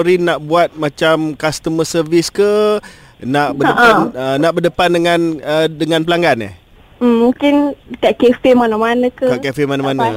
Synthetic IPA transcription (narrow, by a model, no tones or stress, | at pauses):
ɾinaʔbuat̪̚mat͡ʃamkast̪əməsərviskə | naʔbədəanənaʔbərdəpandəŋãnədəŋãnpəlaŋɡana̰h̩ | mũŋkɪnkaʔkefemanamanəkəkaʔkefimanamana